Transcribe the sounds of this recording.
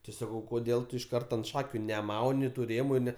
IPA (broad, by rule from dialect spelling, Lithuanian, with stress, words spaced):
tʲɪ ˈsɑːkɐʊ koːˈdʲeːlˠ tʊ ɪʃ ˈkɐrtɐ ɐnt ˈʃɑːkʲʊ nʲɛˈmɐʊnʲɪ tʊ ˈrʲeːmʊ ˈnʲɛ